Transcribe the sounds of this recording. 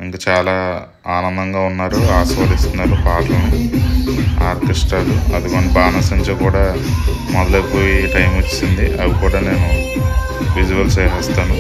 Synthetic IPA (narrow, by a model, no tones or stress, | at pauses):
iŋkɐt͡ʃaːlaː | aːnɐnd̪ɐŋɡaːunːaːɾuaːsʋaːd̪ist̪unːaːɾupaːʈlɐnu | aːɾt̪isʈaːɽuɐd̪imɐnːibaːnɐsɐɲt͡ʃoːkuːɽaː | mɔd̪ɐlɐpoːjiʈɐjmot͡ʃːsind̪iʔɐʋikuːɽaːne̞ːnu | ʋid͡ʒuʋɐlt͡ʃejɦɐst̪aːnu